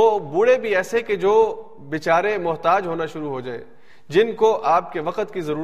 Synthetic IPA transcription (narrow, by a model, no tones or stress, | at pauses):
oːbʊɽebʱiɛːseked͡ʒoː | bit͡ʃaːɾemʊɦt̪aːd͡ʒɦoːnaʃʊɾuɦod͡ʒaːḛː | d͡ʒɪnkoʔaːp̚keʋɐqət̪kizɐɾuː